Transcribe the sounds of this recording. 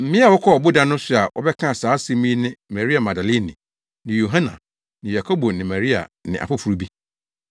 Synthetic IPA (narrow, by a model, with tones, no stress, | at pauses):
m̩˨mɪ̃˦a˨wɔ˦kʰɔ˦ɔ˨bʊ˦dã˦nʊ̃˦sʊ˦a˨wʔɔ̰˦bɛ˦kʰã˦˨saː˨˦si˦mĩ˦nɪ̃˦ma˨ɾi˦a˨ma˨da˨li˦˨nḭ̃˨ | nɪ̃˨jo˨ɦã˦nã̰˨ | nɪ̃˨ja˨kʰo˦bo˨nɪ̃˨ma˨ɾi˦a̰˨nɪ̰̃˨ʔa̰˨fʊ˦fu˨ɾu˨bi˦